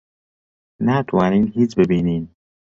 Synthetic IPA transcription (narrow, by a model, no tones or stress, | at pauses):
nat̪ʰwaːniːnɦiːt͡ʃbebiːniːn